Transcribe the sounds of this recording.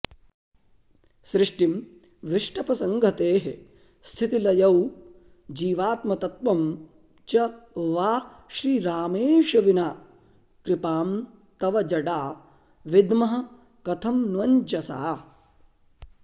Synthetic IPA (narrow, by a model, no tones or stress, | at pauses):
sɾɪʂʈim | ʋiʂʈɐpɐsɐŋɡʱɐt̪eːɦe | st̪ʰit̪ilɐjɐw | d͡ʒiːʋaːt̪mɐt̪ɐt̪ʋɐm | t͡ʃɐʋaː | ʃɾiːɾaːmeːʃɐʋinaː | kɾɪpaːm | t̪ɐʋɐd͡ʒɐɖaː | ʋid̪mɐɦɐ̆ | kɐt̪ʰɐmnʋɐɲt͡ʃɐsa̰ː